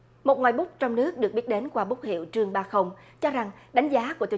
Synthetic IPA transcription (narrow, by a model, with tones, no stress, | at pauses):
mo˨˩t̚ŋwaː˨˩jɓʊ˦˥k͡p̚t͡ɕɔ˧wŋ͡mnɨ˦˥ək̚ɗɨ˨˩ək̚ɓi˦˥ət̚ɗe˨˦nkwaː˧ɓʊ˦˥k͡p̚hḭ˧˨wt͡ɕɨ˧əŋɓaː˧xə˧wŋ͡m | t͡ɕɔ˧za˨˩ŋɗa˨˦jŋ̟zaː˨˦ku˧˩ət̪i˨